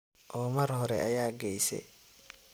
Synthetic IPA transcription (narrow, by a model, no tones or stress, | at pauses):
ʔɔːmɐrhɔɾɛʔɐjaːɡɛjsɛ̰